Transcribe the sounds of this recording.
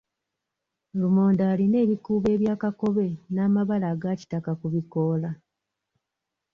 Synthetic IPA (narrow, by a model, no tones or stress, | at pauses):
lumo̞ːndaːline̞ːβikuːβe̞ːβjaːkako̞βe̞naːmaβalaːɡaːci̥takakuβiko̞ːla